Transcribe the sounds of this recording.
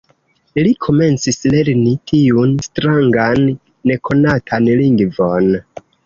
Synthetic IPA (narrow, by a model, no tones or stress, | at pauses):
likʰo̞me̞nt͡sisle̞ɾnitʰiunstɾaŋɡanː | e̞kʰo̞natʰanliŋɡvo̞n